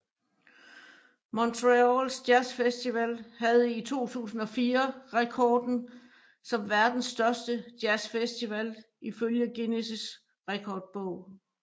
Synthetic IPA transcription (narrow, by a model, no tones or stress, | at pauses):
mɒnt͡sʰʁeolsd̥jæsfesd̥iʋælhæð̞̩ˠit͡sʰo̝̰ːt͡sʰṵːsn̩ɒ̽fiːɐʁɛkʰɒːd̥n̩ | sɒ̽mʋæɐd̥n̩sːd̥ɶɐsd̥əd̥jæsfesd̥iʋæl | iføljəɡ̥e̝nesis | ʁɛkʰɒːd̥̚b̥ɔʊ̰